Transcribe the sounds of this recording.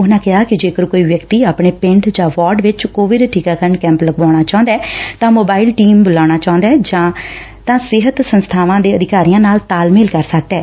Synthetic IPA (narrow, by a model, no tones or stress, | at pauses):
ʊnãːkɪɦaːkɪd͡ʒeːkəɾkoːiːʋjəkt̪iːaːpɳeːpɪ̃ɳɖd͡ʒãːʋaːɾɖʋɪt͡ʃkoːʋɪɖʈʰiːkaːkəɾəɳɖkɛ̃ːmpləɡbãːɽ̃aːt͡ʃãːnd̪ɛːt̪ãːmoːbaːɪlʈiːmbʊlaːɽ̃aːt͡ʃãːʊ̃nd̪ɛːd͡ʒãː | t̪ãːsɪɦət̪sənst̪ʰaːʋãːd̪eːəd̪ɪkaːɾijãːnaːlt̪aːlmeːlkəɾsək̚d̪ɛː